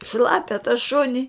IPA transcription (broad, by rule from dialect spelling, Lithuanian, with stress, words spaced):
ˈʃlˠɑːpʲɛ tɐ ˈʃʊnʲɪ